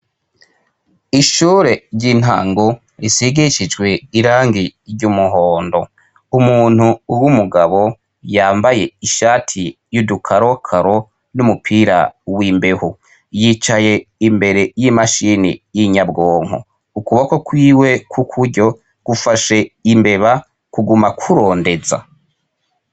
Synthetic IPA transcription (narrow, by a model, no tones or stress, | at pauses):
iʃuːɾe̞ɾɟin̥a̰ːŋɡo | ɾisiɡiʃid͡ʒɡwe̞iɾaːŋɡiɾɟumuɦoːndo̞ | umuːn̥huwumuɡaβo̞ | jaːmbaje̞iʃaːtʰi | judukʰaɾowakʰaɾo̞ | numupʰiːɾa̰wiːmbe̞ho | jit͡ʃaje̞imbe̞ɾe̞jimaʃinḭjiɲabɡo̞ːŋ̥ho̰ | ukuβokokwiːwe̞kʰukʰuɾɟo̞ | ɡ̥ufaʃe̞imbe̞βa | kuɡumakʰuɾo̞ːnde̞za̰